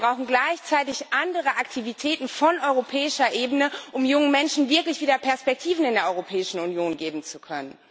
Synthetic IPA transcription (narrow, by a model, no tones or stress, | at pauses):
bʁaʊxn̩ɡlaɪçt͡saɪtɪçʔandəʁ̞əʔaktʰivitʰɛːtn̩fɔnʔɔʏʁopʰɛːɪʃɐʔeːbənəʔʊmjʊŋəmɛnʃn̩vɪɐklɪçv̥iːdɐpʰɛɐspɛk̚tʰiːvn̩ɪndeːɐɔʏʁopʰɛːɪʃn̩ʊnjoːnɡeːbm̩t͡sukʰœnən